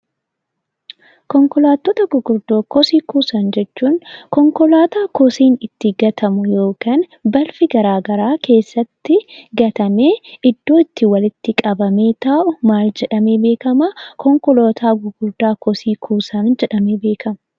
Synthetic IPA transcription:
kɔŋkɔlaːt̪ːɔt̪ɐɡʊɡʊɾd̪oːkɔsiːkuːsɐnd͡ʒɛt͡ʃːuːnkɔŋkɔlaːt̪aːkɔsiːnɪt̪ːɪɡɐt̪ʰɐmʊjo̞ːkaːnbɐlfɪɡɐɾaːɡɐɾaːke̞ːsːɐt̪ːɪɡɐt̪ɐme̞ːɪd̪ːo̞ːɪt̪ːɪwɐlɪt̪ːɪkʼɐbɐme̞ːt̪aːʔʊmaːld͡ʒɛᶑɐme̞ːbe̞ːkɐmɐkɔŋkɔloːt̪ʰaːɡʊɡʊɾd̪aːkɔsiːkʰuːsɐnd͡ʒɛᶑɐmeːbe̞ːkɐmɐ̥

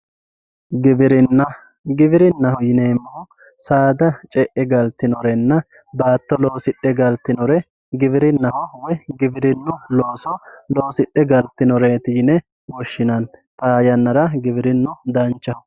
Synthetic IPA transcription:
ɡɪbɪɾɪnːɐ | ɡɪbɪɾɪnːɐhɔjɪneːmːɔɔ | saːd̪ɐt͡ʃʼɛʔɛɡɐlt̪ːɪnɔɾɛnːɐ | baːt̪ːɔloːsɪɗːɛɡɐlt̪ːɪnɔɾɛ | ɡɪbɪɾɪnːɐhɔwɔjɡɪbɪɾɪnːʊloːsɔlo̞ːsɪɗːɛɡɐlt̪ːɪnɔɾeːt̪ɪjɪnɛ | wɔʃːɪnɐnt̪aːjɐnːɐɾɐɡɪbɪɾɪnːʊd̪ɐnt͡ʃːɐhɔ

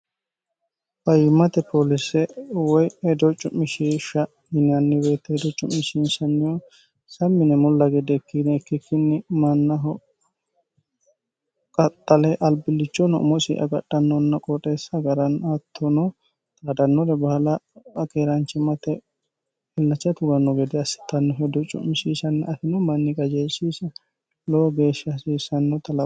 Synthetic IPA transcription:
pɐjɪmɐt̪ɛpʰolɪsɛwɔjɛd̪ɔt͡ʃʼːʊmːɪʃiʃɐ | ɪnɐnːɪbe̞ːt̪ːɛd̪ɔt͡ʃʼʊmːɪʃinsɐnːɪjɔ | sɐmːɪnɛmɔlːɐɡɛd̪ɛkːɪnɛːkːɪkːɪnːɪmɐnːɐɦɔ | kʼɐt̪ʼːɐlɛʔɐlbɪlːɪt͡ʃːɔnɔ̰mɔsḭʔɐ̰ɡɐ̰ɗːɐnːɔnːɐkʼɔt̪ʼeːsːɐɡɐɾɐnat̪ʰːɔnɔ | t̪ʼaːd̪ɐnːɔɾɛbɐhlɐkeːɾɐnt͡ʃːɛmɐt̪ɛ | ɪlːɐt͡ʃːɐt̪ʊɡɐnːɔɡɛd̪ɛɐsɪ̥t̪ːɐnːɔɦɛd̪ɔt͡ʃʼːʊ̰mɪʃiːsɐnːɛʔɐt̪ɪnɔmɐnːɪkʼɐd͡ʒeːsiːsɐ | loːɡe̞ːʃːɐɐsiːsɐnːɔt̪ɐlɐ

